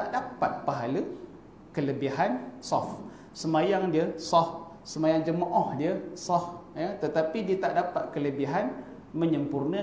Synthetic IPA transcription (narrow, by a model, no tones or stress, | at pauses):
aʔdapat̪̚paɦalə | kələbiɦansɔf | səmajaŋdiəsɔf | səmajaŋd͡ʒəməʔɔhdiəsɔfjət̪ət̪apidiət̪aʔdapat̪̚kələbiɦan | məɲəmpurnə